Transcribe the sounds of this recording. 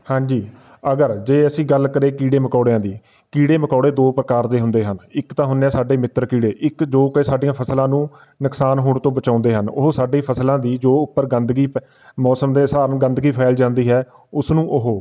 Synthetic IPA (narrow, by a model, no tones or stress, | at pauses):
hãːɲd͡ʒiː | əɡəɾd͡ʒeːəsĩːɡəlkəɾeːkiːɽeːməkɔːɽejãːd̪iː | kiːɽeːməkɔːɽeːd̪oːpɾəkaːɾd̪eːɦʊnd̪eːɦənɪkt̪ãːɦʊnaːsaːɖeːmɪt̪ːɾkiːɽeːʔɪkd͡ʒoːkiːsaːɖijãːpʰəslãːnũː | nʊksaːnɦoːɳt̪õːbət͡ʃãːʊ̃nd̪eːɦənʊ̰ɦoːsaːɖeːpʰəslãːd̪iːd͡ʒoːʊpːəɾɡənd̪ɡiː | mɔːsəmd̪eːsaːɾəɡə̃nd̪ɡiːpʰaːɪld͡ʒãːnd̪iːɦɛː | ʊsnũːʔʊɦoː